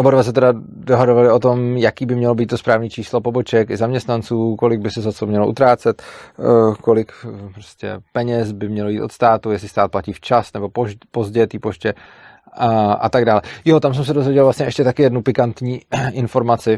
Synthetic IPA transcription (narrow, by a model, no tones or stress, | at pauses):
ʔobodvas̬ɛt̪ɛda | doɦadovalɪo̞t̪o̞mjakiːbɪmɲɛlobiːt̪t̪o̞spɾaːvniːt͡ʃiːslopobo̞t͡ʃɛkɪzamɲɛst̪nant͡suːko̞lɪɡ̚bɪsɛzat͡somɲɛloʔṵt̪ɾaːt͡sɛt̪ | kolɪkpɾoscɛ̰pɛɲɛsbɪmɲɛlojit̪o̞t̪st̪aːt̪ujɛslɪst̪aːt̪̚placiːft͡ʃasnɛbo̞popo̞zɟɛjɛt̪iːpo̞ʃcɛ | ʔa̰t̪aɡdaːlɛjot̪ams̬ɛmsɛdo̞zvjɛɟɛlvlasɲɛʔɛʃcɛt̪akɪjɛdnupɪkant̪ɲiːʔɪnfo̞ɾmat͡sɪ